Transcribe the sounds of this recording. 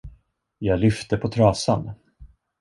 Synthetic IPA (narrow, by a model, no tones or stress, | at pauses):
jɑːɡlʏft̪əpʰɔt̪ʰɾɑːsan